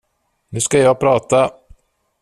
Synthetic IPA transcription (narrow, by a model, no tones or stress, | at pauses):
nʉ̟ːskajɑːɡ̚pʰɾɑːt̪a